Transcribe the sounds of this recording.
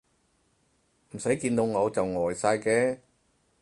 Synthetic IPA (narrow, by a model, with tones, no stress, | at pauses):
m̩˨˩sɐ˨˥jkiː˧nt̪o˧wŋɔ˨˧wt͡sɐ˨wŋɔː˨˩jsaː˧jkɛː˧